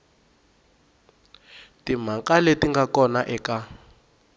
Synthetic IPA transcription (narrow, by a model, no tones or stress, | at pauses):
tim̤akaletiŋɡakɔnaʔɛka